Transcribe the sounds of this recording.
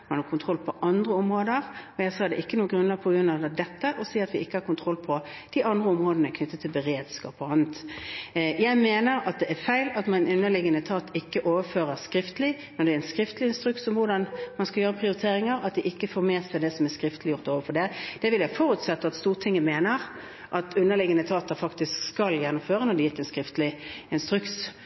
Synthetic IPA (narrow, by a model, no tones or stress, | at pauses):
mɑnhɑːkʰʊnt̪ʰʁɔlːpʰɔʔɑnd̪ʁəɔmʁoːd̪əʁɔjæɪsɑːd̪ɛʔɪkːənuːəɡʁʉnlɑpʰɔɡʁʉnɑəd̪ɛt̪ːəʔɔsiːɑt̪ʋɪɪkːəhɑɾkʊnt̪ʰʁɔlːpʰɔ | d̪̥iʔɑnd̪ʁəɔmʁoːd̪ənəkʰnʏt̪ːət̪ʰːɪlbəʁeːd̪skɑ̰ːpɔɑnt̪ | jæɪmeːnəɾɑt̪̚d̪ɛʔæɾfæɪlɑt̪mɑnnʉnːəlɪɡənət̪ʰɑt̪ɪkːəʔoːʋəføːʁəʁskɾɪft̪əlɪ | nɔʁd̪ɛɾɛnskʁɪft̪əlɪɪnst̪ʁʉksɔmʋʊʁdɑnmɑnskɑljøːʁəpʰʁɪʊɾɪt̪ʰeːʁɪŋəɾɑt̪̚d̪ɪʔɪkːəfoːɾmeːsæɪd̪ɛsɔmæʁskʁɪft̪əlɪjʊʁt̪oːʋəfɔɖɛd̪̥ɛʋɪljæɪfɔɾʉt̪sɛt̪ːɑt̪st̪uːʁt̪ʰɪŋːəmeːnəʁ | ʔɑt̪ʉnːəʁlɪɡːənət̪ʰɑːt̪əfɑkt̪ɪskskɑljɛnːʊmføːʁənɔd̪ɪjɪt̪ːɛnskʁɪft̪lɪɪnst̪ɾʉks